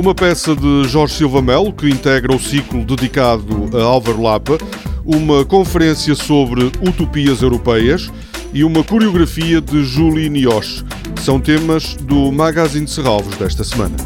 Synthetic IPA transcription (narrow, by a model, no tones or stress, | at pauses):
umɐpɛsɐðɨʒɔɾʒsilˠvɐmɛlˠkɨĩnt̪ɛɣɾɐusiklˠud̪ɨðikaðuɐalˠvɛɾlˠapɐ | umɐkõfɨɾẽsjɐsoβɾɨut̪upiɐzewɾupɛjɐʃ | iumɐkuɾiuɣɾɐfiɐðɨʒulˠiniɔʃ | sɐ̃w̃t̪emɐʒ̥ðumaɣazĩd̪sɨʁalˠvuʒðɛʃt̪ɐsɨmɐ̰̃nɐ̰